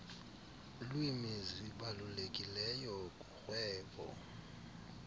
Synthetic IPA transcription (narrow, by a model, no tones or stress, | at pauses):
lwimiziɓalulekʼilɛjɔkʼuxwɛːɓʼɔ̰